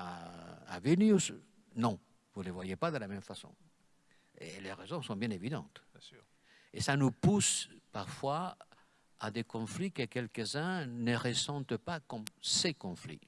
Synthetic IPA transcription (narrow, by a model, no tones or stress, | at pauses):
aa̰vilnjus | nɔ̃ | vulevwajepad̪əlamɛmfasɔ̰̃ | ḛleʁezɔ̃sɔ̃bjɛ̃nevid̪ɑ̰̃t̪ | esanupuspaʁfwa | ad̪ekɔ̃flikəkɛlkəzɛ̃nəʁəsɑ̃t̪pakɔmsekɔ̃flḭ